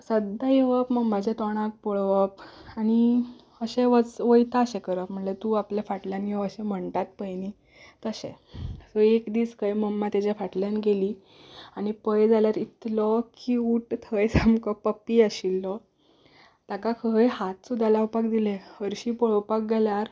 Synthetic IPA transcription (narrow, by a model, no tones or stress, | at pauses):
səd̪ajeʋəpməɡmːad͡ʑat̪ɔɽ̃ak̚pɔɭʋəpaɽ̃i | əɕɛ̃ʋət͡sʋəjt̪aːɕɛkəɾəm̤əɳlet̪uːapljafaʈljanjeəɕɛ̃m̤əɳʈ̪at̪̚pəjni | t̪əɕɛ̰̃ | sɔekd̪iːskəjməmːat̪jad͡ʑafaʈljanɡeliː | aɽ̃ipəjd͡zaljaɾit̪lɔkiːuʈt̪ʰəjsamkɔpːəpːiːəɕilːɔ | t̪akakʰəjɦat̪sud̪ʱːalaupak̚d̪ilehəɾɕiːpɔɭəwpak̚ɡeljaɾ